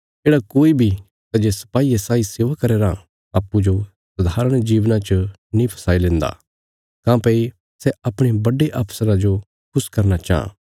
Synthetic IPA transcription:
d͡ʒeːɽakoːibʱi | t̪ɐd͡ʒesɐ̥paːiesaːiseːʋakɐɾeːɾa | aːpːud͡ʒo | sʊd̪ʱaːɾəɽ̃d͡ʒiːʋnãt͡ʃə | nĩpʰɐ̥saːilẽːnd̪a̰ | kãːpei | sɛɐpɽ̃ebɐɖeʔaːpʰsəɾad͡ʒo | kʰʊskɐɾnat͡ʃa̰ːã̰ː

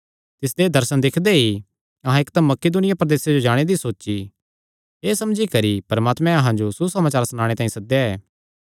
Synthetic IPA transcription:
t̪ɪs̬d̪ed̪ɐɾsənd̪ɪkʰd̪ei | ɐɦãɪkd̪ɐmːɐked̪ʊnɪjapɾɐd̪eːsed͡ʒod͡ʒaːɽ̃ed̪isoːt͡ʃi | eːsɐmd͡ʒikɐɾipɐɾəmaːt̪mɛ̃ɐɦãd͡ʒosusɐmaːt͡ʃaːɾsnaːɽ̃et̪aːĩsɐd̪jaɛː

